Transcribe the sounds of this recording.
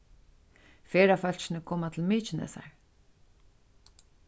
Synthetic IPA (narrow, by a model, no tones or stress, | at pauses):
feːɾafœl̥ʃɪnɪkʰoːmat̪ʰɪlmiːt͡ʃɪnɛ̰sa̰ɹ